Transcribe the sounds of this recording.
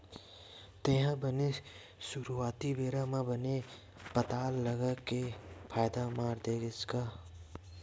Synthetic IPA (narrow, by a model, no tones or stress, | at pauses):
t̪eɦãbəne | sʊɾuaːt̪ibeːɾamãbəne | pət̪aːlːəɡəkepʰaːjd̪amaːɾd̪eːɡɪt͡ʃkaː